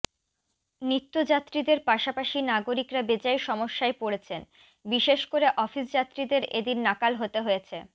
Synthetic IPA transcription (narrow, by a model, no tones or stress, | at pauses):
nɾit̪ːod͡ʑat̪ːɾid̪eɾpaʃapaʃinaɡoɾikɾabed͡ʑaeʃɔmoʃːaepoɽet͡ɕʰen | biʃeʃkoɾeʔɔfisd͡ʑat̪ːɾid̪eɾḛd̪inːakalɦot̪eɦojet͡ɕʰe